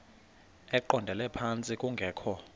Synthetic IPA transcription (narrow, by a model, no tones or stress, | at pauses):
ɛǃɔndʱɛlɛpʰant͡sʼikʼuŋɡʱɛːkʰɔ